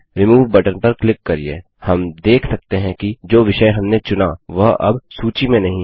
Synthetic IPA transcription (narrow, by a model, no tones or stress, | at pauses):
ɾɪmuːʋbɐʈənpɐɾklɪkːɐɾiḛ | hɐmd̪eːkʰsɐk̚t̪eɦɛ̃kid͡ʒoːʋɪʃəɦɐmnet͡ʃʊnaʋɐɦɐ̰bsuːt͡ʃimẽnɐɦĩ